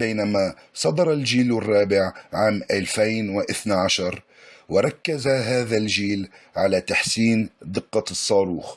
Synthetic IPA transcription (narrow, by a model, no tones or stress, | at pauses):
bejnamasˤɑd̪ɑɾˤɑld͡ʒiːlwɪrˤːɑːbɪʕʕaːmʔalfajnwɪʔɪθnaʕaʃɑɾˤ | wɪɾˤɑkːazaɦaːðald͡ʒiːlʕalat̪aħsiːnd̪ɨqːɑsˤːɑːɾuːx